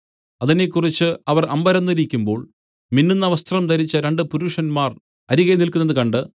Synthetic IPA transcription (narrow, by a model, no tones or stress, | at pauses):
ɐðine̞kːurit͡ɕːɨɐʋɐrʔɐmbɐɾɐnːiɾikʲːumbo̞ːɭ | minːinːɐʋɐst̪ʰɐrɐmt̪ɐɾit͡ɕːɐɾeɳɖɨpuɾuːʂɐnmaːr | ɐɾiɣenilkunːɐðɨkɐɳɖɨ